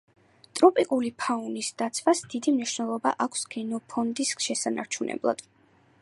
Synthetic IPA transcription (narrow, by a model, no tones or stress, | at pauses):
t̪ʼɾɔpʼikʼulipʰaunisd̪̥at̪sʰvwasd̪̥id̪imniʃnɛlˠɔbaʔakʷʰsɡɛnɔpʰɔnd̪isʃɛsana̰ɾt͡ʃʰunʔɛ̰blˠa̰d̪̥